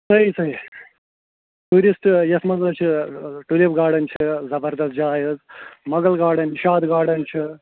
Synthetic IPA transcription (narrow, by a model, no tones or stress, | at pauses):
sɐɦisɐɦi | ʈuːɾisʈjɐsmɐzɐːt͡ʃʰiʈulibɡaːɽɐnt͡ʃʰɨzɐbɐɾd̪ɐst̪̚d͡ʒaːjɐzmɐɡɐlɡaːɽɐniʃaːd̪ɡaːɽɐnt͡ʃʰi